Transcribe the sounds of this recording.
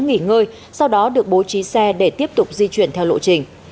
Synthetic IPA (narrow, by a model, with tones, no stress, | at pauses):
ŋi˧˩ŋəː˧j | sa˧wɗɔ˨˦ɗɨ˨˩ək̚ɓo˨˦t͡ɕi˨˦sɛ˧ɗe˧˩t̪i˦˥əp̚t̪ʊ˨˩k͡p̚zi˧t͡ɕwi˧˩ənt̪ʰɛ˧wlo̰˧˨t͡ɕï˧˩ŋ̟